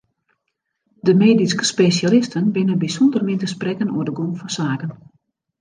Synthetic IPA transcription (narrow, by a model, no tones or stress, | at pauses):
dəmeːdiskə̥spesjalɪstʰənbɪnənbisɔndərmɪntəsprɛkəno̰ədəɡomfɔnsaːkən